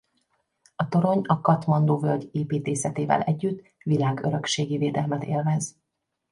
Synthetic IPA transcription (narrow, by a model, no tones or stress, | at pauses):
ɒt̪o̞ɾo̞ɲɒkɒt̪mɒnd̪oːvølɟeːpiːt̪eːsɛt̪eːvɛ̰lɛɟːyt̪ː | ʋilaːɡøɾøkʃeːɡiveːd̪ɛlmɛt̪ḛːlvɛz